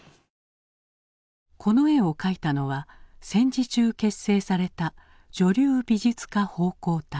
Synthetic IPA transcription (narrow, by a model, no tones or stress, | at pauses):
kʰo̞no̞e̞o̞kait̪ano̞βasẽ̞ɲd͡ʑit͡ɕɨːke̞sːe̞ːsaɾe̞t̪a | d͡ʑo̞ɾʲɨːbʲiʑɨt͡sɨ̥kaho̞ːko̞ːt̪a